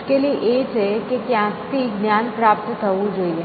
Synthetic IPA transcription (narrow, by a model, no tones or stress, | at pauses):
kelieʔeːd͡ʒɦɛkekjãːt̪iɡnjaːnpɾaːp̚t̪t̪ʰɐũd͡ʒoie